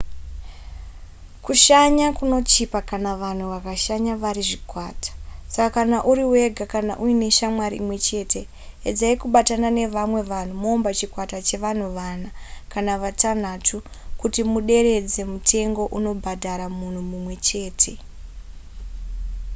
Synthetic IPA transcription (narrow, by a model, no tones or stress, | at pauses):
kuʃaɲakuno̞t͡ʃipakanaʋan̤uʋakaʃaɲaʋaɾiʐikwaːtḁsakakanaʔuɾiwe̞ɡʱakana̰ʔuine̞ʃamwaɾḭimwe̞t͡ʃe̞ːtʰe̞ | ed͡zaikuɓatanane̞ʋamwe̞ʋan̤umoːmbat͡ʃikwatat͡ʃe̞ʋan̤uʋanakanaʋatan̤atʰu | kutimuɗe̞ɾe̞d͡ze̞mutʰe̞ŋɡo̞ʔuno̞bʱadʱaɾamun̤umumwe̞t͡ʃe̞ːtʰe̞